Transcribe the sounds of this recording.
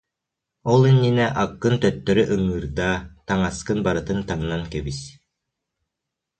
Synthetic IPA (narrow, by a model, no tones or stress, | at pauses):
ɔlˠinːinɛʔɑkːɯnt̪œt̪ːœɾyʔɵŋɯɾd̪at̪aŋaskɯnbaɾɯt̪ɯnt̪aŋnankɛβis